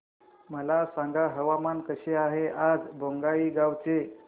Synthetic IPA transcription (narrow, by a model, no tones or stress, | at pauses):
məlasaŋɡaɦəʋamankəɕeaɦeʔad͡zbʱoŋɡaiːɡawt͡se